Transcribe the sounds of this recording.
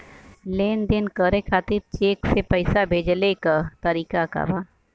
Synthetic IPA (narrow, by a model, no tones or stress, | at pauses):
leːnd̪ɪnkəɾekʰaːt̪ɪɾt͡ʃeːksepəɪsabʱeːd͡ʒlekat̪əɾiːkaka̰baː